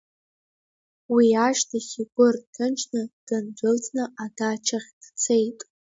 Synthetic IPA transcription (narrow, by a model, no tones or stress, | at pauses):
wiaʃtʰaχʲiɡʷʼʊrtʰɨnt͡ʃʰnɨd̥ɨnd͡zʷɨlt͡sʰʼnɨʔadat͡ʃʰaχʲd̥t͡sʰejtʼ